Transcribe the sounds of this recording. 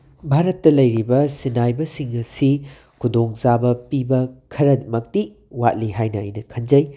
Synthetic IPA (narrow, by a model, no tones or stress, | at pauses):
bʱaɾɐtːɐlɐjɾibɐsinajbɐsiŋɐsi | kʰudoŋzabɐpibɐkʰɐɾɐmɐk̚ti | wa̰t̚liɦajnɐɐ̰jnɐkʰɐnd͡ʒɐj